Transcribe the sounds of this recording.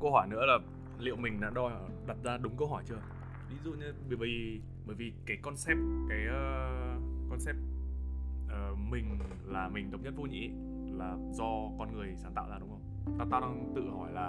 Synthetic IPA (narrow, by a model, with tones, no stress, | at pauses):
kə˧wɦɔ˧˩jnɨ̰˧˥əlaː˨˩ | lḭ˧˨əwmï˨˩ŋ̟ɗa̰ː˧˥ɗɔ˧ɗa˨˩p̚zaː˧ɗʊ˨˦ŋ͡mkə˧wɦɔ˧˩jt͡ɕɨ˧ə | vi˨˦zṵ˧˨ɲɨ˧ɓə˧˩v | ɓəː˧˩jvi˨˩kaː˨˦jkɔ˧nsɛ˦˥p̚kaː˨˦jə˧ | kɔ˧nsɛ˦˥p̚ | ʔəː˨˩mï˨˩ŋ̟ | laː˨˩mï˨˩ŋ̟t̪ə˨˦wŋ͡mɲə˦˥t̚vo˧ɲḭ˧˥ | laː˨˩ | zɔ˧kɔ˧nŋɨ˨˩əjsaː˧˩nt̪a̰ː˧˨wzaː˧˩ɗʊ˨˦ŋ͡mhə˧wŋ͡mt̪aː˧wt̪aː˧wɗaː˧ŋt̪ɨ̰˧˨hɔ˧˩jlaː˨˩